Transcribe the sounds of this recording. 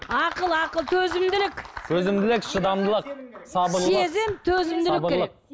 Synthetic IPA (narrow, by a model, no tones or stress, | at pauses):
ɑqəlˠɑqəlˠt̪ʰɵzɪmd̪ɪlɪkʲt̪ʰɵzɪmd̪ɪlɪkʃəd̪ɑmd̪əlˠəq̚sɑbəɾlˠezemt̪ʰɵzɪmd̪ɪlɪkbəlˠəq̚